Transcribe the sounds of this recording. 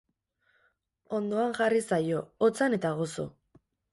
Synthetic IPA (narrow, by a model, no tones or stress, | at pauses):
o̞nd̪o̞aŋʝarisajo̞ot͡sane̞t̪aɣ̞o̞so̞̰